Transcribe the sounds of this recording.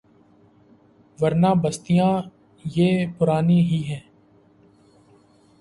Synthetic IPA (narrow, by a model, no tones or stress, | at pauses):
ʋəɾnaːbəst̪ijãː | jeːpʊɾaːniɦiːɦɛ̃ː